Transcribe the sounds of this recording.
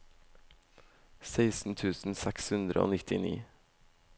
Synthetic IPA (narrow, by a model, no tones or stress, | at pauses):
seɪsn̩t̪ʰʉːsn̩sɛkshʉnd̪ɾəo̰ːnɪt̪ʰɪnḭː